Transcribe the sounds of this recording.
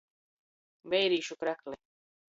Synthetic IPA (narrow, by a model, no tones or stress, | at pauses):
bɛjɾiːʃukɾæklɛ